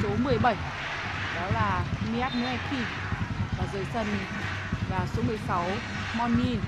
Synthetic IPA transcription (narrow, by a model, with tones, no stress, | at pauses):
so˨˦mɨ˨˩əjɓə˧˩j | ɗɔ˨˦laː˨˩mi˧a˦˥t̚nu˨˦a˧kʰi˧˩ | vaː˨˩zəː˧˨˩jsə˧˩n | vaː˨˩so˨˦mɨ˨˩əjsa˨˦w | mɔ˧nːi˧n